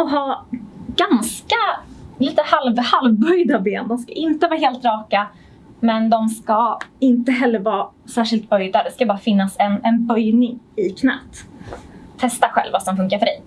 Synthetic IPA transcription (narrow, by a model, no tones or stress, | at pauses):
ɦɑːɡanskaliːt̪əhalvhalvːœjd̪abeːnd̪ɔmska̰ʔɪnt̪əvɑːɦeːlt̪ɾɑːka | mɛnd̪ɔmskaɪnt̪əɦɛlːəɾvɑːsæːʂɪlt̪̚bœjd̪ad̪ɛskabɑːɾafɪnːasɛnɛnbœjnɪŋɪkʰnɛ̰ːt̪ | t̪ʰːɛst̪aɧɛ̰lvːasɔmfɵŋkaɾfœɖɛj